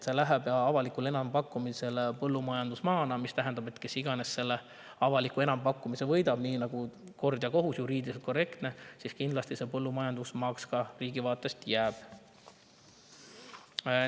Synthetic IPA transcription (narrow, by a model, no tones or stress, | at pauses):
t̪se̞læɦeb̥jɑɑvɑlikule̞nɑmpɑkːˑumise̞lpɤlːumɑjɑnd̪usmɑːnɑmist̪æɦend̪ɑb̥e̞t̪ːˑke̞siɡ̥ɑne̞sːe̞lːe | ɑvɑlikːˑue̞nɑmpɑkːumise̞vɤ̞jd̪ɑb̥niːnɑɡ̥uko̞rd̪̥jɑko̞ɦusjuɾiːd̪iset̪kore̞kt̪ne̞siskind̪lɑst̪ise̞pɤlːumɑjɑnd̪̥usmɑkskɑriːɡivɑːt̪ːˑe̞st̪jæːb̥